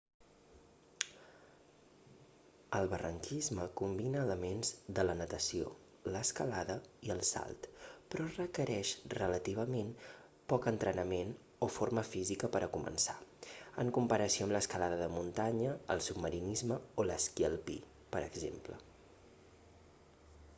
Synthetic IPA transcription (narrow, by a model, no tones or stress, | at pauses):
əlˠβərəŋkizməkumbinəːləmenzðələnət̪əsio̰ | ləskəlaðəiəlˠsa̰lˠt̪pɾɔrəkəɾɛʃrələt̪iβ̞əmen | pɔkənt̪ɾənəmen | oforməfizikəpəɾʔəkumə̰nsaəŋkumpəɾəsioəmləskəlaðəðəmunt̪aɲəəlˠsub̚məɾinizməoləskjəlˠpḭ | pəɾəɡzḛmplə̰